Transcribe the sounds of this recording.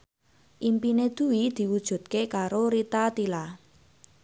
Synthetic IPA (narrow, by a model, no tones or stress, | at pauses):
ʔimpined̪̥uwid̪̥i̤wud̥ʒ̥ṳd̪̥̚kekaɾoɾit̪at̪ila